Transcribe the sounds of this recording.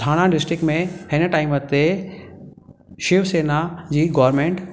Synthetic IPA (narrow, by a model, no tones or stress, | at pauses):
aːɽ̃ãɖɪsʈɾɪkmẽhɪnə̆ʈaːɪmət̪e | ʃɪʋseːnad͡ʑiːɡɔːɾmẽːɳʈ